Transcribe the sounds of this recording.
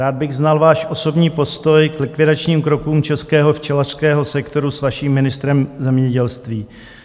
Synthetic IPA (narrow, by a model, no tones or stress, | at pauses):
aːd̪̚bɪɣznalvaːʃʔo̞so̞bɲiːpo̞st̪o̞jklɪkvɪdat͡ʃɲiːmkɾo̞kuːmt͡ʃɛskɛːɦo̞ft͡ʃɛlar̥skɛːɦo̞sɛkt̪o̞ɾusvaʃiːmːɪnɪst̪ɾɛmzɛmɲɛɟɛlst̪viː